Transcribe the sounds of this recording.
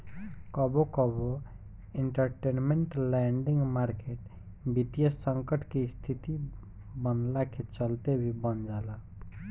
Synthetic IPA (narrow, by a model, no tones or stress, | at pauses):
kɔbokɔbo | eɳʈəɾʈenmeɳʈlɛɳɖiŋɡmaɾkeʈ | bit̪ijəsəŋkəʈʰkest̪ʰit̪i | bənlaket͡ʃʌlt̪ebʱibʌnd͡ʒala